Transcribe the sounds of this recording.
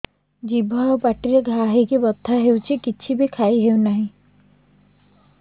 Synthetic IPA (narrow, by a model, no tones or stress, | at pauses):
d͡ʒibʱaobaʈiɾeɡʱaɦekebɔt̪ʰːaɦewt͡ʃʰikit͡ʃʰibʱikʰaiɦeunaɦĩ